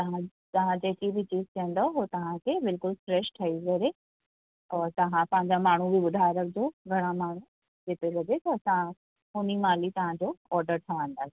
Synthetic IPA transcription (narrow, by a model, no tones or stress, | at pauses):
t̪ɐɦã | t̪ɐʋ̤ãd͡ʑeːkibʱit͡ɕiːzt̪ʰiə̃nd̪oɦoːt̪ɐʋãkʰebɪlkʊlfɾeːʃʈʰɐizɐɾe | ɔːɾt̪ɐʋãpɐ̃ɦɪ̃ɲd͡ʑamaːɳ̤ubiʋʊd̪ʱaːɾɐk̚d͡ʑoːɡʱɐɽ̃amaːɳ̤ũ | d͡ʑeːt̪elɐd͡ʑet̪ɐɐsã | ʊnimaːlit̪ɐʋãd͡ʑoːɔːɾɖəɾʈ̪ʰɐʋãːn̆d̪aːsi